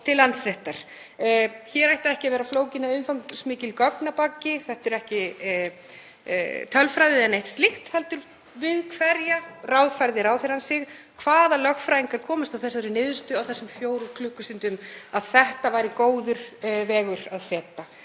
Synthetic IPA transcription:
t̪ʰɪlːant̪sɾɛht̪aɾ̥ | çɛːɾajht̪aɛhcɪavɛːɾafloːwcɪnːaʏnfawŋsmɪːcɪlkœknapacːɪθɛht̪ʏɾɛhcɪ | t̪ʰœlfɾajðɪɛnejht̪st̪liht̪hɛlt̪ʏɾ | vɪðkʰvɛɾjarawðfajɾðɪɾawθfɪɾansɪx | kʰvaːðalœxfɾaːjiŋkaɾ̥kʰɔːmʏst̪awθɛsːaɾɪnɪːðʏst̪ʏawθɛsːʏmfjoːwɾukʰlʏːkʏst̪ɪnt̪ʏmaðθɛht̪avaːjɾɪkoːwðʏɾ̥vɛːɣʏɾaðfjɛt̪ːa

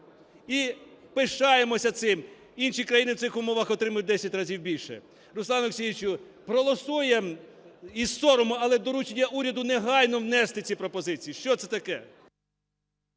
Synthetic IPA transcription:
i | pɪʃɑjemɔsʲɐt̪sɪm | inʃikɾɐjinɪwt̪ɪxʊmɔʋɐxɔt̪ɾɪmɐjʊt̚ʲd̪ɛsʲɐtʲrɐzʲiwbʲilʲʃɛ̰ | ɾʊslˠɑnʊksʲiʋʲit͡ʃʊ | pɾɔlˠɔsujɛ | izsɔɾɔmʊɐlˠɛd̪ɔɾut͡ʃenʲːɐʔuɾʲɐd̪ʊneɦɑlʲnɔwnɛst̪ɪt͡sʲipɾɔpɔzɪt͡sʲijiʃt͡ʃɔt̪sɛt̪ɐkɛ

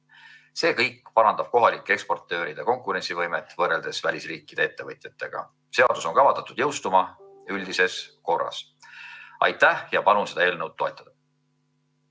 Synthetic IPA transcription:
se̞ːkɤjkːˑpɑɾɑnd̪̥ɑb̥̚ko̞ɦɑlikːˑee̞kspo̞rt̪ːø̞ːɾid̪̥eko̞ŋkˑuɾensivɤjmet̪ːˑvɤrːe̞ld̪̥e̞svælʲisriːkˑːid̥̪ee̞t̪ːe̞vɤt̪ˑjɑt̪ːˑe̞ɡ̥ɑ̰ | se̞ɑd̪̥uso̞nkɑvɑt̪ːˑɑt̪ːˑud̪̥jɤwst̪umɑylʲd̪ise̞sko̞rːɑ̰s | ɑ̰jt̪ːˑæhjɑpɑnunse̞d̪ɑe̞ːlnəwd̪̚ːo̞e̞̰t̪ːˑɑd̪̥ɑ

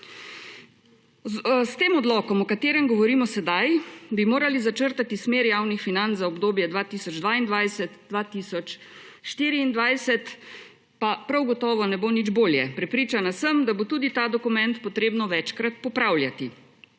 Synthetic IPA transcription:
st̪eːmɔd̪lɔːkɔmɔkat̪eːɾɛmɡɔʋɔɾiːmɔsɛd̪ajbimoːɾalizat͡ʃəɾt̪at̪ismeːɾjaːwnixfinanzaɔbd̪oːbjɛd̪ʋat̪iːsɔd͡ʒd̪ʋaːind̪ʋajsɛt̪d̥̪ʋaːt̪iːsɔt͡ʃ | ʃt̪iːɾiːnd̪ʋajsɛt̪ | papɾawɡɔt̪ɔːʋɔnɛboːnid͡ʒboːljɛ̰pɾɛpɾiːt͡ʃanasəmd̪abot̪uːd̪it̪aːd̪ɔkumɛnt̪pɔt̪ɾeːbnɔʋɛt͡ʃkɾat̪̚pɔpɾawljat̪i

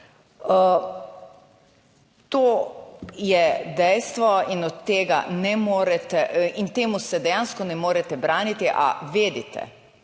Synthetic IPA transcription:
t̪oː | jɛd̪ɛjst̪ʋɔinɔt̪t̪ːeːɡa̰nɛmoːɾɛt̪ɛint̪eːmusɛd̪ɛjanskɔnɛmoːɾɛt̪ɛbɾaːnit̪iʔa̰ʋeːd̪it̪ɛ̰

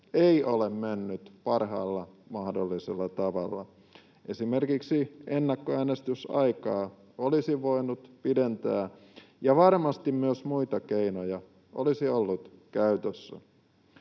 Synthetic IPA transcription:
eiolemmenːyt̪pɑrɦɑːlːɑmɑhdolːiselːɑt̪ɑʋɑ̰lːɑ̰ | ʔe̞sime̞rkiksienːɑkːoæːnest̪ysɑjkɑː | olisiʋo̞inut̪pident̪æː | jɑʋɑrmɑst̪immyøsmuit̪ɑkeinojɑ | ʔo̰lisiolːut̪kæyt̪øsːæ̰

